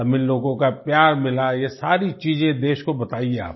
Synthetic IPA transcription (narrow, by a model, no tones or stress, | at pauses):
ɐmɪloːɡõkapjaːɾmɪlajesaːɾit͡ʃiːzẽd̪eːʃkobɐt̪aːiea̰ːp̚